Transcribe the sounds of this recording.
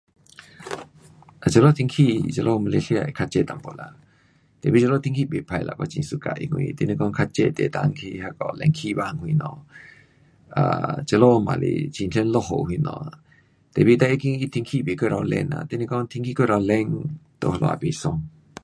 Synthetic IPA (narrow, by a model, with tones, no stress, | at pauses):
ʔa˨t͡ʃə˧˨lo˦t̪ʰi˧ŋkʰi˧t͡ʃə˧lʔo˦˧ma˧le˧ɬi˧a˧˨i˨kʰa˧t͡ʃe˧t̪a˨mpo˨la˨ | t̪e˨bi˧˦t͡ʃə˧lo˦t̪ʰi˧ŋkʰi˦˧be˨pʰa˧jla̰˧˨kɔ˧t͡ʃi˨nsu˧ka̰˨ʔḭ˧hwḭ˧t̪e˧ni˧kɔ˧nkʰa˧t͡ʃe˧t̪e˨t̪a˧ŋkʰi˧ha˧kɔ˧lɛ˧ŋkʰi˧ba˧˨ŋhwi˧nɔ˧ | ʔa˧t͡ʃə˧lo˦˧ma˨lḭ˧˨t͡ʃi˨nɬʰe˧˦nlo˧ɦo˧˨ʔhwi˧nɔ̰˧ | t̪e˨bi˧t̪a˧ʔi˦ki˧i˦˧t̪ʰi˧ŋkʰi˦be˨kə˦ɾa˧lɛ̰˧na̰˨t̪e˦ni˧kɔ˦nt̪ʰi˧ŋkʰi˦kə˦ɾa˨lɛ˧ŋt̪o˧˨hlo̰˧ʔa̰˧˨pe˨sɔ˧˨ŋ